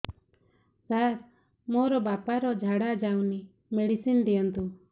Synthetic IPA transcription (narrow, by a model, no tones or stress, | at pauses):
saɾ | moɾɔbapaɾɔd͡ʒʱaɽad͡ʒawni | meɽisind̪ijɔnt̪u